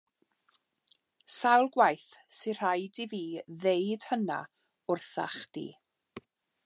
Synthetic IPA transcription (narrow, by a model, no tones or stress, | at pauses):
sawlˠɡwajθsɪr̥ajdiviːðejd̥həna̰ | ʊrθa̰χd̥ḭː